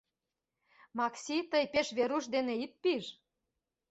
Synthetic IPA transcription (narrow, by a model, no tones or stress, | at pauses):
mɑksʲit̪əjpeʃβeɾuʃd̪eneit̪̚piʒ